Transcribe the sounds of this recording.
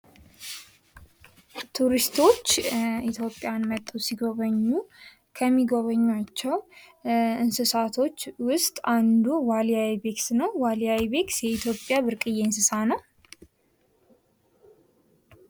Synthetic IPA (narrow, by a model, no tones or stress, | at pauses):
t̪ʰuɾist̪ʰo̞t͡ʃːit̪ʰjo̞pʼːjanmət̪ʼːusiɡo̞βəɲːu | kʰəmːiɡo̞βəɲːat͡ʃːɛw | ɨnsɨsat̪ʰo̞t͡ʃːwʊst̪ʼand̪uwalijawibe̞ksnəwwalijawibe̞ksjɛit̪ʰjo̞pʼːjabɨɾkʼɨjeɨnsɨsanəw